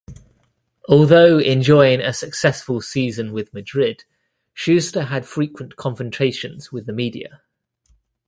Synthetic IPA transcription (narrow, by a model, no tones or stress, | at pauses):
ʔɔːlˠðəʊɛ̃nd͡ʒɔɪɪ̃ŋəsəksɛsfəlˠsiːzə̃nwɪðmədɹɪd̥ | ʃʉːstəəd̥fɹiˑkʰwə̃nkʰɒ̃ɱfə̃ntʰɹ̥eɪʃə̃nz̥wɪðəmiːdḭə̰